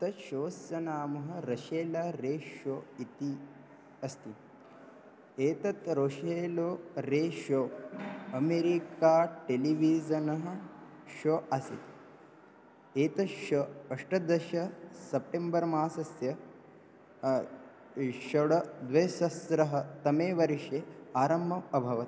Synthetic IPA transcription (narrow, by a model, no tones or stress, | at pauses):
t̪ɐʃoːsjɐnaːmɐɦɐ̆ɾɐʃeːlɐɾeːʃoːit̪i | ɐst̪i | eːt̪ɐt̪ɾoːʃeːloːɾeːʃoːɐmeɾikaːʈeliʋid͡ʒɐnɐɦɐ̆ | ʃoɐsḭt̪ | eːt̪ɐʃɐɐʂʈɐd̪ɐʃɐsɐp̚ʈembɐɾmaːsɐsjɐ | ʃɐɽɐd̪ʋɐjsɐsɾɐɦɐt̪ɐmeːʋɐɾiʂeːaːɾɐmːɐɐbʱɐʋɐt̪i